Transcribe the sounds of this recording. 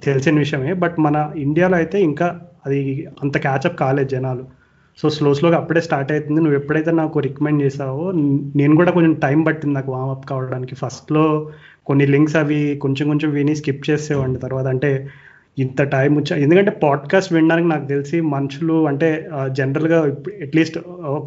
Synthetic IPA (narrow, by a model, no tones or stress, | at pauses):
t̪e̞lisinɐʋiʂɐjɐmeːbɐʈmɐnɐiɳɖijaːloːɐjit̪e̞ːiŋkaːɐd̪iɐnt̪ɐkaːt͡ʃɐpːkaːle̞ːd̪d͡ʒɛnaːlu | so̞ːsloːslokiɐpːuɽe̞ːsʈaːɾʈɐjt̪und̪inuʋːepːuɽɐjt̪̬eːnaːkuɾekɐmeɳɖt͡ʃɛːʃaːʋone̞ːnukuːɽaːkoɲt͡ʃemʈɐjmpɐʈːind̪inaːkuʋaːmɐpːkaːʋɐɽaːnikipʰɐsʈlo̞ː | ko̞nːiliŋksɐʋikoɲt͡ʃɐmkoɲt͡ʃɐmʋiːniskip̚t͡ʃeːsɛːʋɐɳɖit̪ɐɾʋaːt̪ɐɳʈe̞ː | int̪ɐʈɐjmut͡ʃːaend̪ukɐɳʈeːpaːɖkaːsʈʋiɳɖaːnik̬inaːkut̪elisimɐnɐt͡ʃuluɐɳʈe̞ːd͡ʒenɐɾɐlɡaːeʈliːsʈ